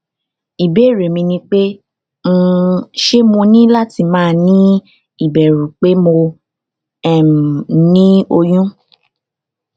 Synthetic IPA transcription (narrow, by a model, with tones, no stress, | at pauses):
i˨be˨˦˨ɾe˨mĩ˧nĩ˧k͡pe˦ | ŋ̩˧ʃe˦mõ˧nĩ˦la˦ti˧mãː˦˨˧nĩ˦ | i˦˨bɛ˨ɾũ˨k͡pe˦mo˧ | ɛ˨m˨nĩ˦o˧jũ˦